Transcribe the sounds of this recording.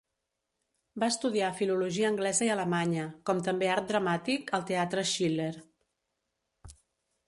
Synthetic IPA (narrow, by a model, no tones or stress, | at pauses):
baəst̪uðiafiluluʒiəːŋɡlɛzəiələmaɲəkɔmt̪əmbeaɾt̪̚d̪ɾəmat̪ikəlˠt̪eat̪ɾəʃileɾ